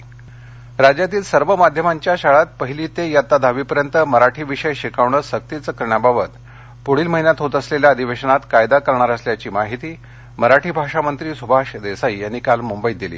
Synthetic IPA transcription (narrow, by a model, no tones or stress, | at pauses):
ɾad͡ʑjat̪iːlsəɾʋəmad̪ʱjəmaɲt͡ɕjaɕaɭat̪̚pəɦiliːt̪ejat̪ad̪ʱaʋiːpəɾjənt̪əməɾaʈʰiːʋiʂəjɕikaʋɳəsək̚t̪it͡səkəɾɳjababət̪ | poɽ̤iːlməɦinjat̪ɦot̪əsleljaəd̪ʱiʋeɕəɳat̪kajd̪akəɾɳaɾəsljat͡ɕiːmaɦit̪iː | məɾaʈʰiːbʱaʂamənt̪ɾiːsubʱaʂd̪esaijanːikalmumbəid̪ilḭː